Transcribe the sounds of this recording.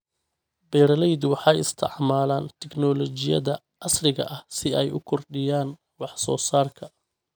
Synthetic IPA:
bɛjɾɐlɛjd̪wɑħɑjɪst̪ʰɪ̰ʕmaːlaːnt̪ʰɛɡnɔːlɔt͡ʃɪjɐ̰ðɐ | ɑsrɪɣɐ̰ʔɐhsɪɛjʊ̰kʰɔrɖɪjaːn | wɑħsɔːsaːrkʰɐ

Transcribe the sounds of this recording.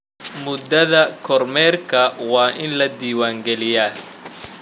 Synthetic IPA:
mʊd̪ɐðɐkʰɔrmɛːrkʰɐwɑːʔɪnlɐd̪iːwaːŋɡɛlɪjaː

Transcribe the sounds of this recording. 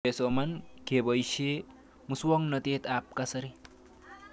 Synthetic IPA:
esomankebʌjɕe | muswɔŋnʌt̪eːt̪ap̚kasɐɾi

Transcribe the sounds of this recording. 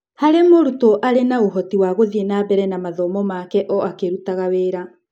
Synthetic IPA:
haɾemoɾutɔʔaɾenauɦɔtiwaɣoðienabɛɾɛnamaðɔmɔmaːkɛʔɔakeɾutaɣaweːɾa

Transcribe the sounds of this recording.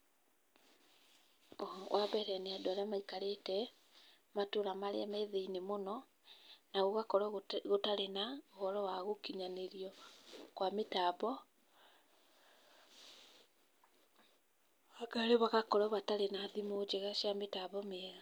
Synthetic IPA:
wʔabɛɾɛneadoaɾeamaikaɾetɛ | matoɾamaɾḛamɛðeinemonɔ | naɣoɣakɔɾɔɣotaɾenaoɣɔɾɔwaɣokiɲaneɾiɔkwametaβɔ | aɡaɾeβaɣakɔɾɔβataɾenaðimod͡ʒeɣaʃjametaβɔmeɛɣa

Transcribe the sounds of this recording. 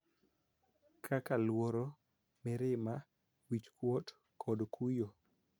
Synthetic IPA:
kʰakalwoɾo | mɪɾɪma | wit͡ʃkwɔt | kʰɔdkʰujo

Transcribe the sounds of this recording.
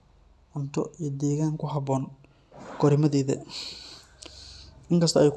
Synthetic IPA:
ʔʊnt̪ʰɔ̰ʔiːd̪ɛːɣaːŋkʰʊɦɐbɔːn | ɡɔɾɪmɐðɛːðɐ̰ | ʔɪŋkʰɐst̪ʰɐʔɛjk

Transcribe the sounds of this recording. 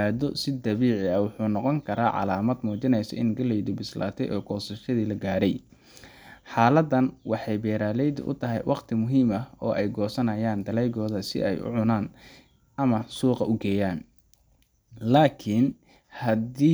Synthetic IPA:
aːðɔsɪd̪ɐβiːʕɪɐwʊħuːnɔqɔŋkʰɐɾaːʕɑ̰laːmɐd̪muːt͡ʃɪnɛjsɐ̰ʔɪnɡɐlɛjd̪ʊbɪsla̰ːt̪ʰɛjʔɔːɡɔːsɐʃɐðiːlɐɡaːɾɛj | ħaːlɐd̪ɐnwɑħɑjbɛːɾaːlɛjd̪ʊ̰ʔʊ̰t̪ʰɐɦɛjwʔɑqt̪ʰɪmʊɦiːmɐɔːʔɛjɡɔːsɐnɐjaːnd̪ɐlɛjɣɔːðɐsɪ̰ɛjʔʊ̰ʕʊnaːn | ʔɐmɐsuːqɑʔʊɡɛːjaːn | laːkʰin | hɐd̪iː

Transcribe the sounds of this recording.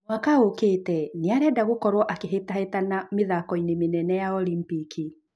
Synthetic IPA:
wakaokeːtɛneaɾɛdaɣokɔɾwɔʔakeɦetahetanameðakɔinemenɛnɛjaɔlimpiki

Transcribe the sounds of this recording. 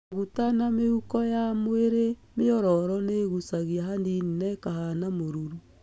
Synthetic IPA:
ɣutanameukɔjamweɾemeɔɾɔɾɔneːɣusaɣiaɦandininɛːkahanamoɾuɾu

